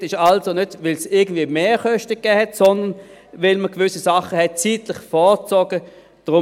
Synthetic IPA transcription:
tɪʃalzonødvɪlsɪɐɡən̩d̥viːəmeːχœʃtəkːɛːhɛtsɔndən | vɪlməɡʋʏsisaχəhɛt̚t͡siːtlɪχfɔːt͡sɔɡə | d̥ʁʊ

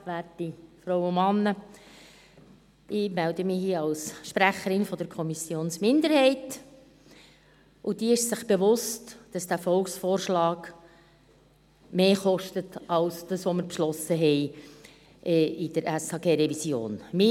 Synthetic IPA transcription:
læːtifɾɔwʊmɑnːə | ʔɪmæld̪əmɪhiːɑlsʃpɾæχəɾɪnfɔd̥̪əɾkʰɔmisjoːnsmɪnd̪əɾhɛɪt | ʔʊd̥iːəɪʃsɪχb̥eʋʊstd̥ɑsd̥æːfɔlksfoːrʃlɑːɡ | meːχɔʃtətɑlsd̥əsʋɔməɾpʃlɔsəɦɛɪ | ʔɛid̥əɾæsɑːɡeːɾɛvisjo̰ːnmɪ

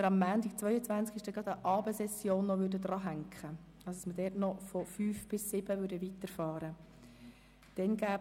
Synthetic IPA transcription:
əɾɑmːæːntik̚t͡sʋœʏət͡sʋænt͡skɪʃd̥ɛɡɾɑd̪əʔɑːbəsɛsːjoːnːɔʋʏɾdəd̪ɾɑːɦæŋkχə | ɑsɑsmədɛːtnɔfɔfyːfb̥ɪsːɪb̥əʋʏːɾdəʋit̪əɾfɑːɾə | d̥ɛnɡæː

